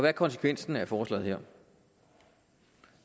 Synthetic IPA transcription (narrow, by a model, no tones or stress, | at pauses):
ɒʋæɐkʰɒ̽ns̬ə̥kʰʋen̰sn̩æɐfɒːslɛ̰ːðˠheɐ̰